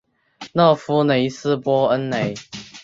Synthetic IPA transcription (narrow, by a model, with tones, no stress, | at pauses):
nɤ˥˧˨fu˦ne˨˦ɪsɹ̩˥pwɔ˥ə˦nne˨˦ɪ